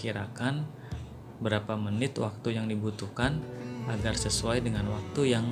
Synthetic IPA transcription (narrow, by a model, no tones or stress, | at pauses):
kiɾakan | bəɾapamənɪt̪wa̰k̚t̪ujaŋdibut̪uhkanaɡarsəsuajdəŋanwak̚t̪ujaŋ